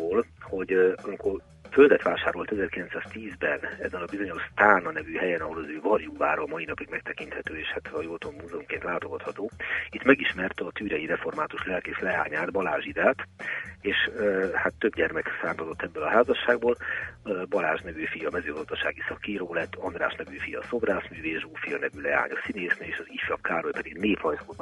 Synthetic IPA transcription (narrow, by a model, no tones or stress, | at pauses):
oːlho̞ɟɒmikor | føld̪ɛt̪ʋaːʃaːɾo̞lt̪ɛzɛrkilɛnt̪saːst̪iːzbɛnɛ̰zɛnɒbizo̞ɲo̞ʃst̪aːnɒnɛvyːhɛjɛnɒɦo̞lɒzøːvɒrjuːva̰ːɾɒlmɒinɒpiɡmɛkt̪ɛkint̪hɛt̪øːeːʃhat̪ɒjoːt̪ommuːzɛumkeːnt̪laːt̪oɡɒt̪hɒt̪oːit̪mɛɡiʃmɛrt̪ɒt̪yːɾɛjiɾɛfo̞rmaːt̪uʃlɛlkeːʃlɛa̰ːɲaːd̪bɒlaːʒid̪aːt̪eːʃhat̪ːøbɟɛrmɛksaːmt̪ozo̞t̪ːɛbːølɒɦaːzɒʃːaːɡ̚boːl | bɒlaːʒnɛvyːfijɒːmɛzøːɡɒzd̪ɒʃa̰ːɡisɒkiɾoːlɛt̪ːɒnd̪ra̰ːʃnɛvyːfijɒ̰so̞braːsmyːveːʒoːfijɒnɛvylɛa̰ːɲɒsineːsnieːʃɒzifjɒpkaːɾojpɛd̪iɡneːphɒjsko